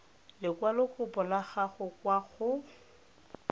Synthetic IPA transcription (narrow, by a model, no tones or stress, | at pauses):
lɪkwalʊkʊbʊlaχaχʊkwaɣʊ